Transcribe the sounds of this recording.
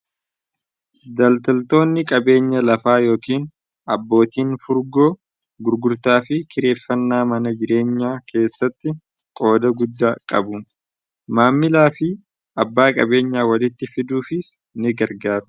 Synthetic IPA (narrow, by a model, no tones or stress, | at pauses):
d̪ɐlt̪ɐlt̪o̞ːnːɪkʼɐbe̞ːɲːɐlɐfaːjo̞ːkiːn | ʔɐbːo̞ːt̪iːnfʊɾɡo̞ː | ɡʊɾɡʊɾt̪aːfɪkʰɪɾe̞ːfːɐnːaːmɐnɐd͡ʒɪɾe̞ːɲːaːkʰe̞ːsːɐt̪ːɪ | kʼo̞ːd̪ɐɡʊd̪ːaːkʼɐ̰bʊ | maːmːɪlaːfɪ | ɐbːaːkʼɐbe̞ːɲːaːwɐlɪt̪ːɪfɪd̪uːfɪs | nɪɡɐɾɡaːɾʊ̥